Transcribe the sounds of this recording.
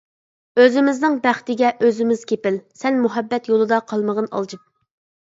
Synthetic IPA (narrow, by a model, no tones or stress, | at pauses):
øzɪmɪznɪŋbæχt̪ɪɡʲɛʔøzɪmɪz̥kʲʰepɪlsɛnmuɦɛbːɛt̪jolˠɨd̪ɑqʰɑlˠməʁənɑ̰lˠd͡ʒip̚